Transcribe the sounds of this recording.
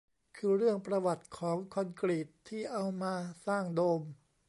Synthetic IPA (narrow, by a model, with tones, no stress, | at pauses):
kʰɯː˧ɾɯ˥˩əŋpɾa˧wa˨˩t̪̚kʰɔː˩˦ŋkʰo˧nkɾiː˨˩t̪ʰːiː˥˩ʔa˧wmaː˧saː˥˩ŋdoː˧m